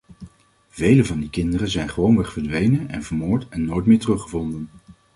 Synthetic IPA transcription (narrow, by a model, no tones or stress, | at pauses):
v̥ejləvɑndikɪndərəzɛjnχəʋownʋɛχfəɹdʋejnənɛ̰nvəɹmoːɹtɛnːojtmɪːɹtərɵχəvɔndən